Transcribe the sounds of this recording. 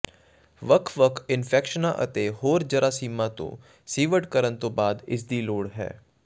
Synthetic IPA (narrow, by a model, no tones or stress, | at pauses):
ʋəkʰʋəkʰɪnfʰɛːkʃənaʔə̰t̪eɦoːɾd͡ʒɐɾʔasiːmat̪õ̰ | siːʋəʈkəɾənt̪õbaːd̪ɪ̰sd̪iloːɽɦɛ̰ː